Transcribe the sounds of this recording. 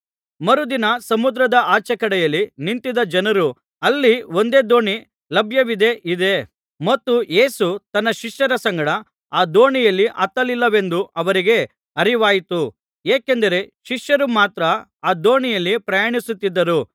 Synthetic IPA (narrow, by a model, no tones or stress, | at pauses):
mɐɾud̪inɐsɐmud̪ɾɐd̪ɐaːt͡ʃɐkɐɽɛjɐlːinint̪id̪ɐd͡ʒɐnɐɾu | ɐlːio̞nd̪e̞ːd̪o̞ːɳi | lɐbʱjɐʋid̪e̞ʔid̪e̞ | mɐt̪ːuje̞ːsut̪ɐnːɐʃiʂjɐɾɐsɐŋɡɐɽɐ | aːd̪o̞ːɳijɐlːiʔɐt̪ːɐlilːɐʋe̞nd̪uʔɐʋɐɾiɡe̞ | ɐɾiʋaːjit̪u | jeːke̞nd̪ɐɾe̞ʃiʂjɐɾumaːt̪ɾɐ | aːd̪o̞ːɳijɐlːipɾɐjaːɳisut̪ːid̪ːɐɾu